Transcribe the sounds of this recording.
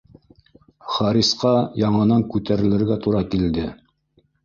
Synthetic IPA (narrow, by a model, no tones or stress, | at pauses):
χɑɾisqɑjɑɴɤ̆nɑŋkʉt̪æɾɘ̆lɘ̆ɾɡæt̪uɾɑkild̪ɘ